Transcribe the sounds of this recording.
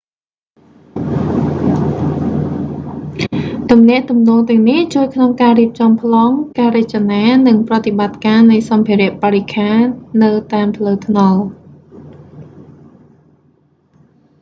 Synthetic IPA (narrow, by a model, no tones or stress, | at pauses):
t̪umnɛ̆əʔt̪umnɔːŋt̪ɛ̆əŋniht͡ɕuəjkʰnoŋkaːɾiəp̚t͡ɕɑmpʰlɑːŋkaːɾet͡ɕanaːnɨŋprɑt̪ːiɓat̪̚kaːnɨjsɑmpʰiəɾɛ̆əʔpaːɾikʰaːnnɨwt̪aːmpʰləːwt̪ʰnɑl